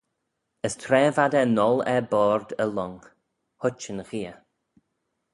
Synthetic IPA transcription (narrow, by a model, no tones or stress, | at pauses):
əstʰɾɛːvadɛnɔlˠɛbɔːɹd̪əlɔŋ | hʊt͡ʃənɣiːə